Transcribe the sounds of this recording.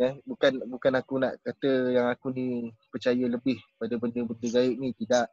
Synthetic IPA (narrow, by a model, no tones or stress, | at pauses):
ɛhbukanbukanakuna̰ʔkat̪əjaŋakunipərt͡ʃajələbɪhpadəbəndəbəndəɡaɪʔ̚nit̪idaʔ